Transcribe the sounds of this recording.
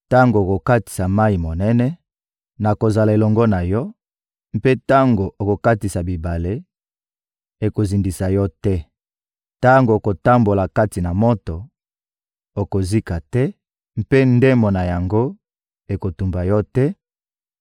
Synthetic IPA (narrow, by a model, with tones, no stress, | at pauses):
ta˦ŋɡo˨ko˨ka˦ti̥˨sa˨ma˦i˨mo˨nɛ˦nɛ˦ | na˨ko˨za˨la˨e˨lɔ˨ŋɡɔ˦na˨jɔ˦ | m˦pe˦ta˦ŋɡo˨ʔo˨ko˨ka˦ti˨sa˨bi˨ba˨le˦ | e˨ko˨zi˨ndi˨sa˨jɔ˦tɛ˦ | ta˦ŋɡo˨ko˨ta˦mbo˨la˨ka˦ti˨na˨mo˦tɔ˨ | o˨ko˨zi˦ka˨tɛ˦ | m̩˦pe˦nde˦mo˨na˨ja˨ŋɡo˦ | e˨ko˨tu˨mba˨jɔ˦tɛ˦